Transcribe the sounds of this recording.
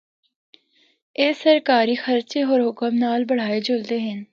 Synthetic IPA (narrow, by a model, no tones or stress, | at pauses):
eːsəɾkaːɾixəɾt͡ʃeɔːɾɦʊkəmnaːlbɐɽ̤aːed͡ʒold̪eɦɛ̃n